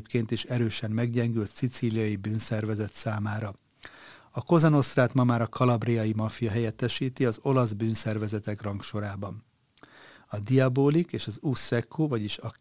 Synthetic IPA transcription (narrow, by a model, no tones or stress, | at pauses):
pkeːnt̪iʃɛɾøːʃɛmmɛɡɟɛŋɡylt̪sit̪siːlijɒjibyːnsɛrvɛzɛt̪saːmaːɾɒ | ɒko̞zɒno̞st̪raːt̪mɒmaːɾɒkʰɒlɒbrijɒjimɒfijɒɦɛjɛt̪ːɛʃiːt̪iɒzo̞lɒzbyːnsɛrvɛzɛt̪ɛkrɒŋkʃo̞ɾaːbɒn | ɒd̪iɒboːlikeːʃɒzusːɛkʰːoːvɒɟiʃɒ